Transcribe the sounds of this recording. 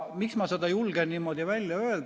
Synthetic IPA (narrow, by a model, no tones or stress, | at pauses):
miksmɑsed̪̥ɑjulɡ̥enniːmːo̞d̪ivælʲjɑø̞eld̪